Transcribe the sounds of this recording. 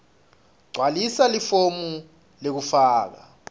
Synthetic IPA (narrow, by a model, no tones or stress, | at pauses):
ɡ͡ǀʱwalisalifomu | lek̬ufaːk̬a